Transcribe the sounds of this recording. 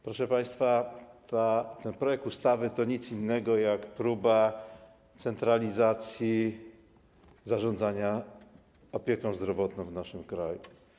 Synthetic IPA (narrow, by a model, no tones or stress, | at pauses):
pɾɔʂɛpaj̃st̪fat̪at̪ɛnpɾɔjɛk̚t̪ust̪avɘt̪ɔɲit̪sinːɛɡɔjakpɾuba | t̪sɛnt̪ɾalʲizat̪sʲji | zaʐɔ̃nd̪zaɲa | ɔpʲjɛkɔ̃w̃zd̪ɾɔvɔt̪nɔ̃w̃vnaʂɘmkɾa̰jṵ